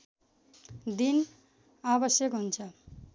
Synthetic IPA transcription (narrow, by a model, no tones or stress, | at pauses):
d̪in | abʌsjʌkɦunt͡sʰʌ